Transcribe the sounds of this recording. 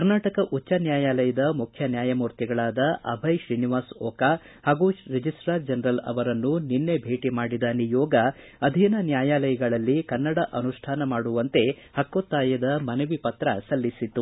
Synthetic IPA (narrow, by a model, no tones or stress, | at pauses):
kɐɾnaːʈɐkɐʔut͡ʃːɐnjaːjaːlɐjɐd̪ɐmukʰjɐnjaːjɐmuːɾt̪jiɡɐɭaːd̪ɐʔɐ̰bʱɐjʃɾiniʋaːsɔːka | haːɡuɾed͡ʒisʈɾaːɾd͡ʒɐnɾɐlɐ̰ʋɐɾɐnːuninːe̞bʱe̞ːʈimaːɽid̪aːnijɔːɡɐ | ɐd̪ʱinɐnjaːjaːlɐjɐɡɐɭɐlːikɐnːɐɽɐʔɐnuʂʈʰaːnɐmaːɽuʋɐnt̪e̞ | hɐkːot̪ːaːjɐd̪ɐmɐnɐʋipɐt̪ɾɐ̰sɐlːisit̪ːu